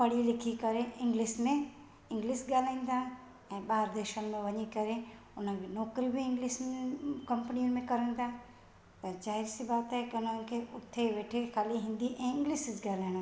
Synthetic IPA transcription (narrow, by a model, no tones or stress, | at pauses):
pɐɽ̤ilɪkʰikɐɾeɪ̃ŋɡlɪsmẽ | ɪ̃ŋɡliːsɡaːl̤aːĩn̆d̪aː | ɛ̃ːɓaːɾd̪əɾʃənɪ̆mẽʋɐɲikɐɾe | ʊnənbɪnɔːkɾibiɪ̃ŋɡlɪskɐ̃mpniənɪ̆mẽkɐɾə̃ːn̆d̪aː | t̪ɐd͡ʒaːɦɪɾsibaːt̪ɦɛkiʊn̤ənɪ̆kʰeʔʊt̪ʰːeʋeːʈʰexʰaːliɦɪ̃ːnd̪iʔɛ̃ːɪ̃ŋɡliːsɪsɡaːlaːɪɽ̃